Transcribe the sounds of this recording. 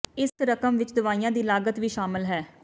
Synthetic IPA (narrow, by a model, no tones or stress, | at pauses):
ɪsɾəkəmʋɪt͡ʃd̪ʊʋaːiːãːd̪iːlaːɡət̪ʋiːʃaːmɪlɦɛː